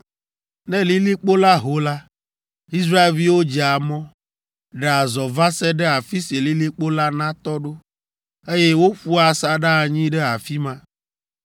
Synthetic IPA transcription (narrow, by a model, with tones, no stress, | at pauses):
nɛ̃˦li˦li˦k͡po˦la˦ɦo˨˦la˦ | i˦s̬ɾa˦e˦lvi˦wo˦d͡ʒi˨a˨mɔ̃˦ | ɖɛ˨a˨zɔ˨va˦sɛ˦ɖɛ˦a˨fi˦si˨li˦li˦k͡po˦la˦nã˦t̪ɔ˦ɖo˦ | e˦jɛ˦wo˦fu˦a˨sa˨ɖa˦˨ɲĩ˦ɖe˦a˨fi˦mã˦